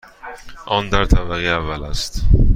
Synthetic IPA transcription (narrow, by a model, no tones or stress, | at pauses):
ʔɒnd̪æɾt̪ʰæbæɣiævːælæst̪